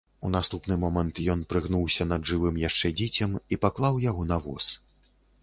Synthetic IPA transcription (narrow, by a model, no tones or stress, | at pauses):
un̪ast̪upnɨmɔmɐnt̪jɔnpɾɨɣnuwsʲɐnɐd̪ʐɨvɨmjaʂt͡ʂɛd͡zʲɛt͡sʲɐmipaklˠawjaɣɔnavɔ̰s